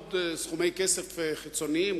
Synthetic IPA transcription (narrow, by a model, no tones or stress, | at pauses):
tsχumejkesefχit͡soniim